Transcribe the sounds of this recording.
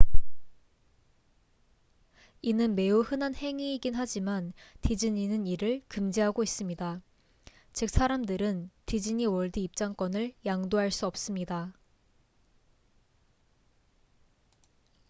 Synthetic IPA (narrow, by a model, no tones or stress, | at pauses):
inɯnme̞uhɯnanhe̞ŋiːɡinɦad͡ʑimantid͡ʑɯɲinɯniɾɯɭkɯmd͡ʑiɦaɡois͈ɯmɲida | t͡ɕɯk̚s͈ʰaɾamdɯɾɯntid͡ʑɯɲiwʌɭdɯːp̚t͡ɕ͈aŋk͈wʌnɯɭjaŋdoɦaɭs͈uʌp̚s͈ɯmɲida